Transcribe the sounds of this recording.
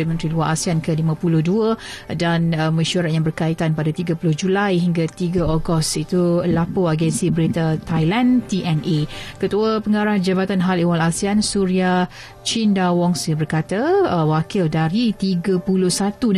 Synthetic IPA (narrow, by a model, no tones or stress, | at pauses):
imə̃nt̪ɾiluaɾasiankəlimãpulʊhduədanməʃaɾat̪̚jãŋbərkait̪anpadat̪iɡapulʊhd͡ʒulajɦiŋɡat̪iɡaɔɡɔst̪it̪ulapoaɡɛnsibəɾit̪at̪ajlant̪iʔɛnʔekət̪uapəŋaɾahd͡ʒabat̪anɦaliwalasiansuɾia | t͡ʃindawɔŋsbərkat̪awakɪldaɾit̪iɡəpulʊhsat̪un